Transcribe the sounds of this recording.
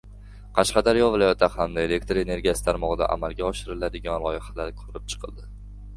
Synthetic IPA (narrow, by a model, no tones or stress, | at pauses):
qʰɑʃqɑd̪aɾjɒvɪlɒjat̪ʰːahamd̪ae̞le̞kt̪ɾe̞ne̞ɾɡʲijasɪ̥t̪ʰaɾmɒʁɨd̪a̰ʔa̰malˠɡʲaɒʃɪɾɪlad̪ɪɡʲɒnlˠɒjɪhalaɾkʰɵɾɪp̚t͡ʃʰɨ̥qʰɨlˠd̪ɪ